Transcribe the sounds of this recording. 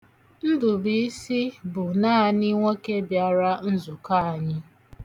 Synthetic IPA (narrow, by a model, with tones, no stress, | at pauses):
n̩˦dʊ˨bi˦i˦si˦bʊ˨naː˦˨ni˦ŋʷe˦ke˦bja˨ɾa˦n̩˦zʊ˨ka˦a˨ɲɪ˦